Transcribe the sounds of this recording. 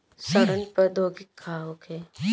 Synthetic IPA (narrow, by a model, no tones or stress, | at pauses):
səɾənpɐɾd̪ʱoːɡɪkʰːaːɦoːkʰeː